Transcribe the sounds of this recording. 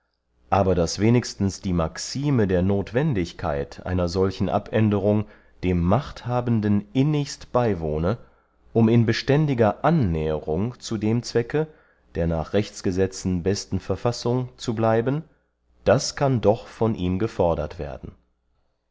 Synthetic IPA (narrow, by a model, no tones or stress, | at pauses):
ʔaːbɐdasv̥eːnɪçstn̩sd̥iːmaksiːmədeːɐnoːtv̥ɛndɪçkʰa̰ɪtʰʔa̰ɪnɐzɔlçn̩ʔa̰pʔɛndəʁ̞ʊŋ | d̥eːmːaχthaːbn̩dənʔɪnɪçstb̥aɪvoːnə | ʔʊmɪnbəʃtɛndɪɡɐʔanːɛːəʁʊŋt͡sudeːmt͡sv̥ɛkə | d̥eːɐnaːχʁ̥ɛçt͡sɡ̥əzɛt͡sn̩bɛstn̩fɛɐfasʊŋt͡sublaɪbən | d̥askʰandɔχfɔnʔiːmɡəfɔɐdɐ̰tv̥eːɐdn̩